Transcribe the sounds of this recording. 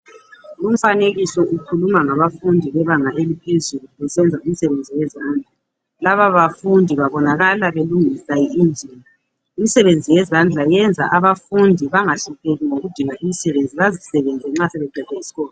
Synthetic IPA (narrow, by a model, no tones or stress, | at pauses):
lum̩faneɣisɔʔukʰulumaŋaβafundʱiβɛβaŋaʔelipʰezuluɣɛsɛnd͡zʱaum̩sɛβend͡zʱiwɛzand͡ɮʱa | laβaβafundʱiβaβɔnaɣalaβeluŋisajiind͡ʒʱina | imisɛβend͡zʱijɛzand͡ɮʱajɛnd͡zʱa̰ʔaβafundʱiβaŋaɬupʰeɣiŋoɣud̥ʱiŋaʔimisɛβend͡zʱiβazisɛβɛnd͡zʱɛŋ͡ǁasɛβɛɡ͡ǃʱɛtʰʼɛisi̥ɣɔːlɔ